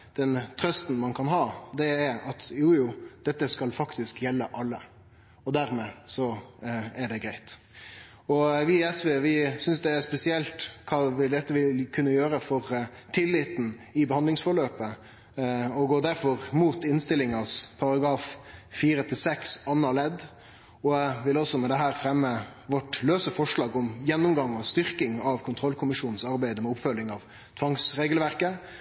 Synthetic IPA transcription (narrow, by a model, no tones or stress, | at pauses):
d̪̥ɛnt̪ʰɾœst̪n̩mɑnkʰɑnɦɑːd̪ɛːɾɑt̪juːjuːd̪̥ɛt̪ːəskɑlfɑkt̪ɪskjɛlːəʔɑlːə | ɔd̪æɾmeːsɔ | ɛɖɛɡɾæɪt̪ | ɔʋɪɛsʋeːʋɪsʏnsd̪ɛːɾspɛsɪɛlt̪kʰɑːʋɪd̪ɛt̪ːəʋɪkʰʉnːəjøːɾəfɔɾ | t̪ʰɪlːɪt̪n̩ | ɪbəhɑnd̪lɪŋsfɔɭøːpə | ɔɡoːd̪æɾfɔɾmuːt̪ɪnst̪ɪlːɪŋɑspʰɑɾɑɡɾɑːffiːɾət̪ʰɪlsɛksɑnːɑlɛd̪ | ɔʋɪlɔsɔmɛd̪ɛɦæːɾfɾɛmːəʋɔʈløːsəfɔʂɭɑːɡɔmjɛnːʊmɡɑŋːɔst̪ʏɾkɪŋɑʋkʰʊnt̪ʰɾɔlkʰʊmɪʂuːnn̩sɑɾbæɪd̪əmɛʊpfœlːɪŋɑʋ | t̪ʰʋɑŋsɾeːɡəlʋæɾkə